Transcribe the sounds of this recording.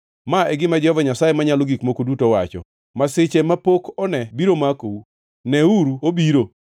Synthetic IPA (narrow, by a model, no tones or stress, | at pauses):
maɛɡɪmad͡ʒɔvɔɲasajemaɲaloɡikmokodutowat͡ʃɔ̰ | masɪt͡ʃemapokɔnɛbiɾomakou | nɛuɾuobiɾo